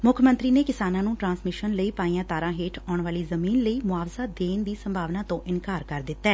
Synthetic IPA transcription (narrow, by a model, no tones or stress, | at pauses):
mʊkʰmə̃nt̪ɾiːneːkɪsaːnãːnũːʈɾãːnsmɪʃənləiːpaːĩãːt̪aːɾãːɦeːʈʰɔːɳʋaːliːzəmiːnləiːmʊaːʋzaːd̪eːnd̪iːsəmbʱaːʋnãːt̪õːʔɪnkaːɾkəɾd̪ɪt̪ːɛː